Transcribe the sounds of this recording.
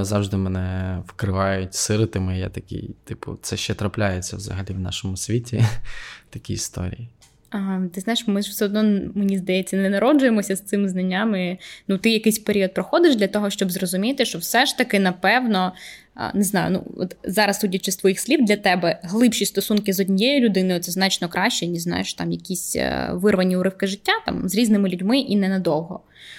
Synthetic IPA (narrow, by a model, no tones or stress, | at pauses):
zɑwʐd̪ɪmɛnɛwkɾɪʋɑjʊtʲsɪɾɪt̪ɪmɪjɛ̰t̪ɐkʲḭjt̪ɪpʊ̰t̪sɛʃt͡ʃɛt̪ɾɐplʲajet͡sʲːɐ̰wzɐ̰ɦɐlʲiwnɑ̰ʃɔmʊsʲʋʲitʲit̪ɐkʲiist̪ɔ̰ɾʲḭji | ɐt̪ɪznɑjɪʃmɪʒwsɛɔd̪nɔmenʲizd̪ɐjɛt͡sʲːɐnɛnɐɾɔd͡ʒʊjemɔsʲɐst̪sɪmznɐnʲːamɪnut̪ɪjɐkɪjsʲpeɾʲiɔt̪̚pɾɔxɔd̪ɪʒd̪lʲɐt̪ɔɦɔʃt͡ʃɔbzrɔzʊmʲit̪ɪʃt͡ʃɔwsɛʃt̪ɐkɪnɐpɛwnɔ̰ | neznɑjʊ̰nṵɔ̰t̪zɑɾɐst̪utʲit͡ʃɪst̪ʋɔjixsʲlʲibd̪lʲɐt̪ɛbɛɦlˠɪpʃʲist̪ɔsunkɪzɔdʲnʲijɛjʊlʲʊd̪ɪnojʊɔt̪sɛznɑt͡ʃnɔkɾʔɑʃʲt͡ʃɛnʲiznɑ̰jeʃt̪ɑ̰mjɐkʲisʲʋɪrʋɐnʲiʊɾɪwkɪʐɪtʲːat̪ɑ̰mzʲɾʲiznɪmɪlʲʊdʲmɪʔinɛnɐd̪ɔwɦɔ̰